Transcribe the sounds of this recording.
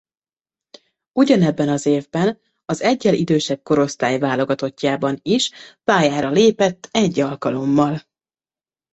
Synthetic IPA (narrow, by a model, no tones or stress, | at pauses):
uɟɒnɛbːɛnɒzeːvbɛn | ɒzɛɟːɛlid̪øːʃɛb̚ko̞ɾo̞st̪aːjvaːlo̞ɡɒt̪o̞cːaːbɒniʃpaːjaːɾɒleːpɛt̪ːɛɟːɒlkɒlo̞mːɒl